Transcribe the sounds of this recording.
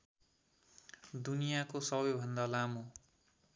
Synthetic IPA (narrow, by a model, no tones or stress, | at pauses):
d̪unijakosʌbʌjbʱʌnd̪alamo